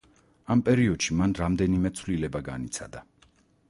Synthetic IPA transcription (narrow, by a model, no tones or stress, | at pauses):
ampʼɛɾiɔd̪̥ʃimanɾamd̪ɛnimɛt̪sʰvlilɛbaɡa̰nit̪sʰa̰d̪a